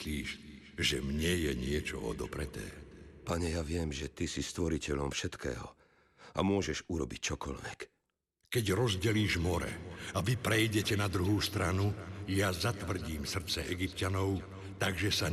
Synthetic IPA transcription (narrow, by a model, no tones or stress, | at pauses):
liːʃ | ʒɛmɲɛjɛɲɪɛt͡ʃɔ̰ɔ̰d̪ɔpɾɛt̪ɛ̰ːpaɲɛjaʋɪɛmʒɛt̪isist̪ʋɔɾicɛʎɔmfʃɛt̪kʰɛ̰ːɦɔ̰ | a̰mʊɔʒɛʒuɾɔbic̚t͡ʃɔkɔʎʋɛk | kɛɟɾɔzɟɛliːʒmɔɾɛ̰aʋipɾɛjɟɛcɛnad̪ɾuɦuːst̪ɾanujazat̪ʋr̩ɟiːmsr̩t͡sɛʔɛɡipcanɔʊ | t̪aɡʒɛsa